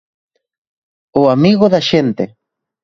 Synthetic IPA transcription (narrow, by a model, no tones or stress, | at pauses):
oamiɣoðaʃent̪e